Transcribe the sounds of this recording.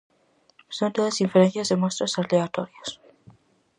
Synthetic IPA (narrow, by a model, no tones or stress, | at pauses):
sont̪oðesiɱfeɾenθjazd̪emost̪ɾasaleat̪oɾias